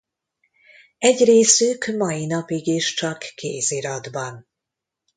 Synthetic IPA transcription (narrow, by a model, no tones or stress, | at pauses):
ɛɟreːsykmɒjinɒpiɡiʃt͡ʃɒkːḛːziɾɒd̪bɒn